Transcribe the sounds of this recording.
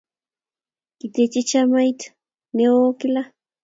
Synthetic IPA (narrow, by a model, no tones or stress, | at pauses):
kit̪et͡ʃit͡ʃamajt̪ | neokila